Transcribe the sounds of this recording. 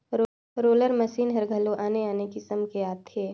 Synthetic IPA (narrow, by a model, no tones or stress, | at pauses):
ɾoːləɾmɐsiːnɦɐɾɡʱɐloʔaːneaːnekisɐmkeaːt̪ʰːeː